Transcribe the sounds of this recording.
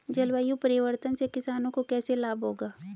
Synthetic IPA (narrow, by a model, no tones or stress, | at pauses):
d͡ʒɐlwaːjũpɐɾɪʋəɾt̪ənsekɪsaːnõkokɛːselaːbʱɦoːɡaː